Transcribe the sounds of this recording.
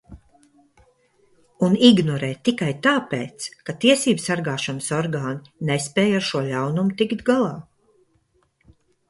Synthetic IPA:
uniɡnɔɾɛːt̪ːikajt̪aːpeːt̪skat̪iɛsiːbsaɾɡaːʃanəsɔɾɡaːninɛspɛːjaɾʃuɔʎʲawnumut̪ikt̪ɡalˠaː

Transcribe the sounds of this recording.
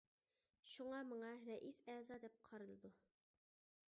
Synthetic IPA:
ʃuŋɑməɴɑɾɛʔisɛːzɑd̪ɛp̚qʰɑɾɨlˠɨd̪u

